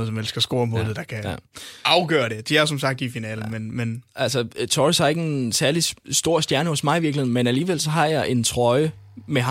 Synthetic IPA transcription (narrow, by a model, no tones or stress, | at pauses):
ð̩ˠsɒ̽mel̰sɡ̥ɐsɡ̥o̝ːɐmoðð̩ˠd̥ɑ̈kʰæ̰ɑ̈ʊɡ̥ɶːɐde̝d̥iæɐsɒ̽msɑ̈ɡ̥̚d̥ifinɛ̰ːln̩menmenʔælsɒt͡sʰɒshɑɐe̝ɡ̥ensæɐlisd̥o̝ɐ̰sd̥jæɐnəhɔ̽smɑ̈ɪiʋiɐɡleðˠnmenæliːʋel̰sɒ̽ɦɑ̈jɑ̈ɪʔe̝nt͡sʰʁɒ̽ɪə | meɦ